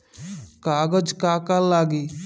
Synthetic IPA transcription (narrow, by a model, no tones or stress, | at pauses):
kaːɡəd͡ʒkaːkalːaːɡiː